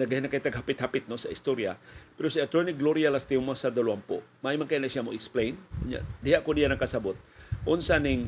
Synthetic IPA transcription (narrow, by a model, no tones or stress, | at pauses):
nɐɡahinakajt̪aɡhapɪt̪hapɪt̪̚nosɐɪst̪oɾja̰pɛɾosiat̪ɾonɪk̚ɡloɾjalast̪imasad̪ɐluampo̰maʔimaŋkajnlasamoʔɪksplejnkʊɲa̰ʔd̪ɪhaʔkod̪ijanɐkasabot̪̚ʔʊnsanɪŋ